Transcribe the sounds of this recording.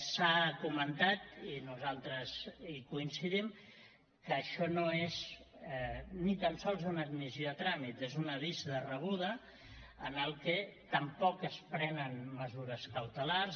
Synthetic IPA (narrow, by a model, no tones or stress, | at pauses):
sakumənt̪at̪inuzalˠt̪ɾəzikuinsiðim | kəːʃɔnoez | nit̪ansɔlˠzunəd̪mizjioðət̪ɾamit̪ezunəβizðərəβ̞uðə | ənəlˠkɛt̪əmpɔkəspɾɛnənməzuɾəskəwt̪əlarz